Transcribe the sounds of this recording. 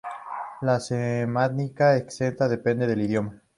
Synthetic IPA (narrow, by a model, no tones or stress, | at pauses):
lasemanikaekse̞nt̪aðe̞pe̞nd̪e̞ð̞e̞liðjo̞ma